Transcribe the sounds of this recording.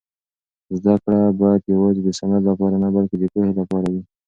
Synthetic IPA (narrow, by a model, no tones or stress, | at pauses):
zd̪akɽabɑjad̪jawɑzed̪əsanalapɑɾanabalked̪əpohelapɑɾawi